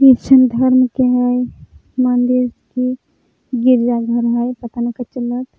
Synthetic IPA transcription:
it͡ʃənd̪ʱɐɾmkeɦəj | mənd̪iɾki | ɡiɾd͡ʒaɡʱəɾɦajpɐt̪anikat͡ʃələt̪

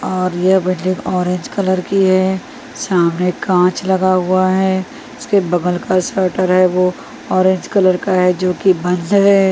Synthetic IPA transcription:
ɔːɾjɐɦwɪ̃ɳɖɪ̃ŋɡɔːɾẽːɲd͡ʒkɐləɾkiɦɛː | saːmnekãːt͡ʃlɐɡaɦʊaɦɛː | ɪskebɐɡəlkasəɾʈəɾɦɛʋo | ɔːɾẽːɲd͡ʒkɐləɾkaɦɛd͡ʒoːkibɐ̃nd̪ɦɛ

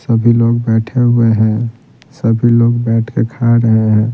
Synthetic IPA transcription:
səbʱiloːɡbɛːʈʰeɦʊeɦɛ̃ | səbʱiloːɡbɛːʈʰkekʰaɾəɦeɦɛ̃ː

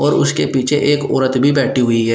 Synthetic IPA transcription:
ɔːɾʊskepiːt͡ʃʰḛʔeːkɔ̰ːɾət̪bʱibɛːʈʰiɦʊiɦɛː

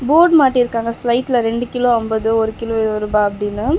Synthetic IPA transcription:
boːɖmaːʈːiɾɯkːaːŋɡɐslɐɪʈːlɐɾɛɳɖɯkɪloːɔmbɐðɯɔɾɯkɪloːɪɾɾubaːɐpːɐɽɪnːɯ

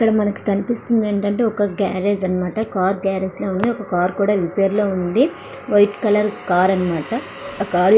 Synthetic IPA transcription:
kːɐɽɐmɐnɐki̥t̪ɐnip̪ist̪und̪eːɳʈɐɳʈe̞ːɔkɐɡaːɾeːd͡ʒɐnːɐmaːʈɐkaːɾɡaːɾeːslo̞ːund̪iɔkɐkaːɾkuːɽaːʋipe̞ːɾlo̞ːund̪i | ʋɐjʈkɐlɐɾkaːɾɐnɐmaːʈɐ | kaːɾ

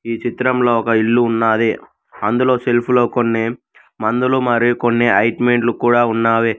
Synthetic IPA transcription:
iːt͡ʃit̪ɾɐmlo̞ːɔkɐiɭːuːnːaːd̪eː | ɐnd̪ulo̞ːselpʰuloːkonːeː | mɐnd̪ulumɐɾikonːeːʔɐjʈmeɳʈlukuːɽaːunːaːʋeː

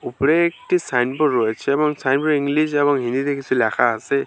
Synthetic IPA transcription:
upɾeːk̚ʈisajnpɔɹɔjt͡ʃʰɛːbɔŋsajnpɔɾiŋɡlisɛβɔŋɦind̪it̪ekisʰulakʰaɦase

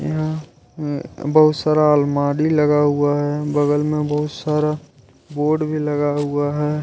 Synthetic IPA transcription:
j̰ɦã | bəɦʊt̪saːɾaːlmaːɽiləɡaɦuaɦɛbəɡəlmẽbəɦʊt̪saːɾa | boːɾɖbʱiləɡaɦuaɦɛː

